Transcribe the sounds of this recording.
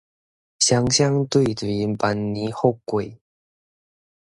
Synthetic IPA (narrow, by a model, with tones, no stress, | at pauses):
ɕja˧˥ŋɕja˥˦ŋt̪we˥˩ɪtu˨˩i˧˦npa˧˦nːi˧˦xo˥˨kwe˨˩ɪ